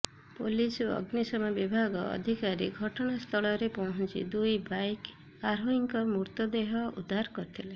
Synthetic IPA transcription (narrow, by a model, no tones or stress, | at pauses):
polisoɔ̰ɡnisɔmabibʱaɡɔɔ̰d̪ʱikaɾiɡʱɔʈɔɽ̃ast̪ʰɔɭɔɾepɔɦut͡ʃḭd̪ujbajk | aɾuiŋkɔmuɾt̪ɔd̪eɦɔud̪ʱːaɾɔkɔɾit̪ʰile